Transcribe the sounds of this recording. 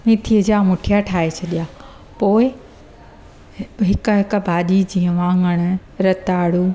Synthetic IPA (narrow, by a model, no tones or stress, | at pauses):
mĩːt̪ʰiəd͡ʑaːmʊʈʰijaʈʰaːɦet͡ɕʰɐɗijaː | poːɪ | ɦɪk̆ɦɪk̆bʱaːɗid͡ʑiːə̃ʋãːŋɡəɽ̃̆ɾɐt̪aːɽuː